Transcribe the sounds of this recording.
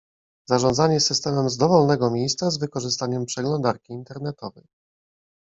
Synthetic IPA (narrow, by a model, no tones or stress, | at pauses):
z̥aʐɔnd̪zaɲɛsɘst̪ɛmɛmzd̪ɔvɔlnɛɡɔmʲjejst̪sazvɘkɔʐɘst̪aɲɛmpʂɛɡlɔnd̪aɾkʲiːnt̪ɛɾnɛt̪ɔvɛj